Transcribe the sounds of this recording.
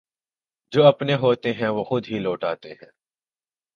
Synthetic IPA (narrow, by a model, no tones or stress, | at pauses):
d͡ʒoːɐpneɦoːt̪eɦɛ̃ʋoːxʊd̪ɦiloːʈaːt̪eɦɛ̰̃ː